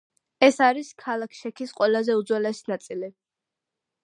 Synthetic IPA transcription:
ɛsaɾiskʰalˠakʰʃɛkʰisqʼwɛlˠazɛud̪zwɛlɛsinat̪sʼili

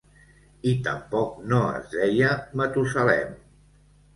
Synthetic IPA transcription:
it̪ə̰mpɔk̚noə̰zðɛjəmət̪usəlɛ̰m

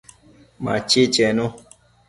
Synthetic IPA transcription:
ma̰t͡ʃet͡ʃɛnõ

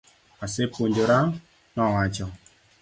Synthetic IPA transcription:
asepoɲdoɾa | nɔwat͡ʃɔ

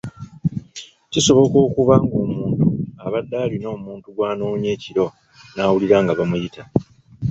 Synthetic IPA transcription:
ciso̞βo̞ko̞ːkuβaŋɡo̞ːmuːntuaβadːaːlino̞ːmuːntuɡwaːnoːɲe̞ːciɾo̞ | naːwuliɾaːŋɡaβamujitʰa

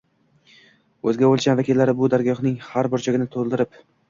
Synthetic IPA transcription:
ɵzɡʲabolˠsʲanvakʲilːaɾɪbʊd̪aɾɡʲɒχnɪŋhaɾbɪɾt͡ʃʰaɡʲɪnɪt̪ʰolˠd̪ɪɾɪp

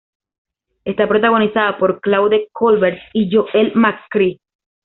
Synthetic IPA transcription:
est̪apɾot̪aɣo̞nisaðapo̞ɾklawðekʰolβeɾt̪iʝoʔelmakːɾi

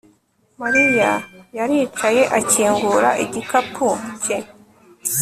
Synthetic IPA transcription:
maɾijajaɾiːt͡ʃaje̞ʔaciːŋɡuɾaʔiɟikapʰuce

